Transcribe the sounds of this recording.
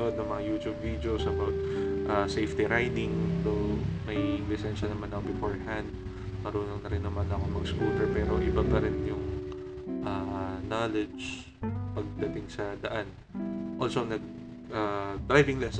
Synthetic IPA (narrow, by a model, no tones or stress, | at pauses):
od̪nɐŋmɐŋajuːt̪jubvid̪eowsɐbawt̪̚ʔasejft̪iɾajd̪ɪŋdomɐjlɪsɛnʃɐnɐmanɐkobɪfoɹhɐnd̪̚ | mɐɾuːnoŋnɐɾɪnːɐmanɐkoŋmɐɡskut̪ɛɹpɛɾo̞ʔɪbab̚pɐɾɪnjʊŋ | ʔanalɛd͡ʒ | pɐɡ̚d̪ɐt̪ɪŋsɐd̪ɐʔan | ʔolsonɐɡ̚ | ʔad̪ɾajvɪŋlɛs